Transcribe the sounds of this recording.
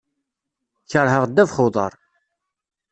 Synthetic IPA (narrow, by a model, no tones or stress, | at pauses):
çəɾˤɦəʁd̪ːævχʊðˤə̰ɾˤ